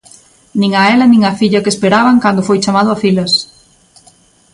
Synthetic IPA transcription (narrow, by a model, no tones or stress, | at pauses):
nĩŋɐɛlɐnĩŋɐfiʎɐkespeɾaβɐŋkand̪ʊfojt͡ʃamaðʊafilɐs